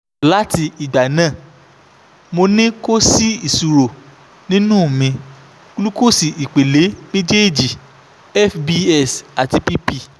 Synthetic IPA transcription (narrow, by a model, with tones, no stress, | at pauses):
la˦ti˧i˨ɡ͡ba˨nãː˦˨ | mo˧nĩ˦ko˦si˦i˨su˧ɾo˨ | nĩ˦nũ˦˨mĩ˧ | ku˦lu˦ko˦˨si˨i˨k͡pe˨le˨˦me˦d͡ʒe˦˨d͡ʒi˨ | ɛ˦fbi˧ɛ˦˨sa˨ti˧pi˦pi˧